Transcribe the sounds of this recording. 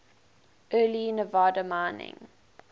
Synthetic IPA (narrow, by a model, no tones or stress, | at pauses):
ɜːliɪ̃nəvaːdəmãɪnɪ̰̃ŋ